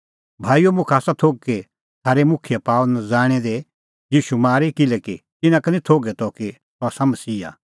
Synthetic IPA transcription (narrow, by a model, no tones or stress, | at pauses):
bʱaːijomʊ̃kʰaːsat̪ʰoːɡ̚ki | t̪ʰaːɾemʊkʰɪjepaːund͡zaːɽ̃ɛd̪e | jiːʃumaːɾikɪlɛkit̪ɪnãkɐnĩt̪ʰoːɡɛt̪ɔki | t̪ɔaːsamɐsiːa̰